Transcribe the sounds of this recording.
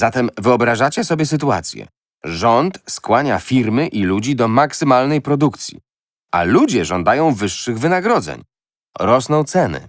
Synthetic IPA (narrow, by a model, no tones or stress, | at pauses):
zat̪ɛmvɘɔbɾaʐat͡ɕɛsɔbʲjɛsɘt̪ua̰t̪sʲjɛ̰ | ʐɔnt̪skwaɲafʲiɾmɘʔilud͡ʑid̪ɔmaksɘmalnɛjpɾɔd̪ukt̪sʲjḭ | a̰lud͡ʑɛʐɔnd̪ajɔ̃w̃vɘʂːɘɣvɘnaɡɾɔd̪zɛ̰ɲ | ɾɔsnɔ̃w̃t̪sɛnɘ̰